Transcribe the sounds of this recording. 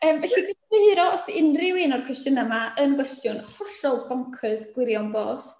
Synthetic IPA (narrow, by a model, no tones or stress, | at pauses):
əːmvɛɬidɪveɨɾɔɔsɪnrɪwɪnɔrkʰwɛstənamaʔənɡwɛstjʊnhɔɬɔlˠbɔŋkʰɨðɡ̥wɪɾjawnboːs